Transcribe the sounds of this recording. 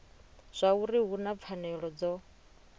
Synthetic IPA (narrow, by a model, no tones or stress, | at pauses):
z̥ʷauɾiɦunap̪fʰanɛɺɔd͡zɔ